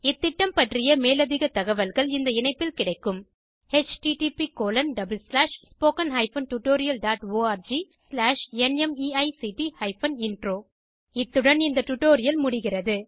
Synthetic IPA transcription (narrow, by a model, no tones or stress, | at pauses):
ɪt̪ːɪʈːɐmpɐʈrɪjɐmeːlɐðɪɣɐt̪ːɐɣɐʋɐlɣɐɭɪnd̪ɐɪnɐɪpːɪlkɪɽɐɪkːɯm | het͡ʃʈiʈipikoːlɐnɖɐbɯlslaːʂspoːkɐnɦɐɪfɐnʈʊʈːoːɾɪjɐlɖaːʈoːaːɾd͡ʒislaːʂɛnɛmiːɐɪsiʈihɐɪfɐnɪnɖroː | ɪt̪ːɯɽɐnɪnd̪ɐʈʊʈːoːɾɪjɐlmʊɽɪɣɪrɐðɯ